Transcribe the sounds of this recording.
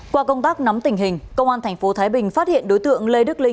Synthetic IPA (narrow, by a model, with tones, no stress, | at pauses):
kwaː˧kə˧wŋ͡mt̪aː˦˥k̚na˨˦mt̪ï˧˩ŋ̟ɦï˨˩ŋ̟kə˧wŋ͡mʔaː˧nt̪ʰa˨˩jŋ̟fo˨˦t̪ʰaː˨˦jɓï˨˩ŋ̟faː˦˥t̚hḭ˧˨ənɗo˨˦jt̪ɨ̰˧˨əŋle˧ɗɨ˦˥k̚li˧ŋ